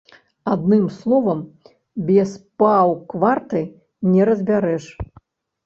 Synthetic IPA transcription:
ad̪̚nɨmslˠɔvɐm | bʲɛspawkvart̪ɨ | nʲɛɾɐzʲbʲaɾɛʂ

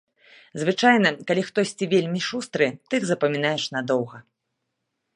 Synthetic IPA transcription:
zvɨt͡ʂajnɐkalʲixt̪ɔsʲt͡sʲivʲelʲmʲiʂust̪ɾɨt̪ɨɣzɐpɐmʲinajɛʂnad̪ɔwɣɐ

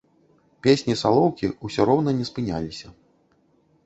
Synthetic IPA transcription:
pʲesʲnʲisalˠɔwkʲiusʲɔɾɔwn̪ɐnʲɛspɨnʲa̰lʲisʲɐ

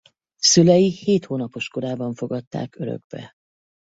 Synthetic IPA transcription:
sylɛjiheːt̪hoːnɒpo̞ʃko̞ɾaːbɒɱfo̞ɡɒt̪ːa̰ːkøɾø̰ɡbɛ̰

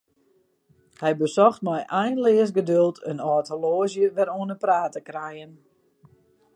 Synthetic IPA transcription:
hɛjbəsɔxtmɛjʔɛjnlɪəs̬ɡədølˠtʰənɔːtoloːzjəʋɛɾuənəpraːtəkrɛjən

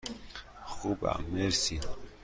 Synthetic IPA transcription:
χuba̰mɛɾsi

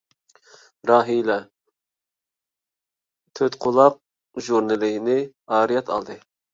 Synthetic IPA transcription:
ɾɑːɦilɛ | t̪ʰøt̪qʰʊlˠɑq̚ | ʒuɾnɨlɪnɪ | ɑːɾijɛt̪ʰɑ̰lˠd̪ɨ

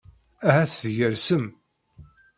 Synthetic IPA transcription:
æhæθθʝəɾsəm

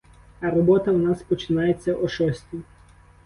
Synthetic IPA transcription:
ɐɾɔbɔt̪ɐwnɑspɔt͡ʃɪnɑjet͡sʲːɐʔɔʃɔsʲtʲi

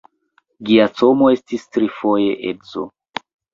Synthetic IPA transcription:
ɡiat͡so̞mo̞e̞stistɾifo̞je̞ʔedzo̰

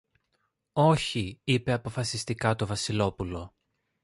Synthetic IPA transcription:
o̞çiipe̞ɐpo̞fɐsist̪ikɐt̪o̞vɐsilo̞pulo̞

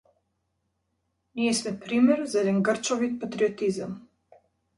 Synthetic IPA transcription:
miɛsmɛpɾimɛɾzaɛd̪ɛnɡr̩t͡ʃɔvit̪̚pat̪ɾiɔt̪izam

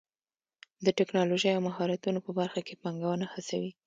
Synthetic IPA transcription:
d̪əʈɪknɑloʒəjawmaɦɑɾat̪unopəbaɾxakepaŋɡawənahasawi

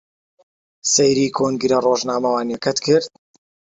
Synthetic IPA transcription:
sejɾiːkʰoːŋɡɨɾɐroːʒnaːmɐwaːnjɐkɐt̪kʰɨɾt̪

